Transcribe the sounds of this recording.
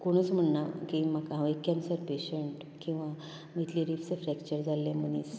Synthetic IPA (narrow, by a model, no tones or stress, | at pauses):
koɽ̃ət͡sm̤əɳnakimaɡɦãʋekjãnsəɾpeɕeɳʈ | kĩw̃ʋa | mit̪liɾift͡səfɾɛkt͡ɕəɾd͡zʱalːẽməniːs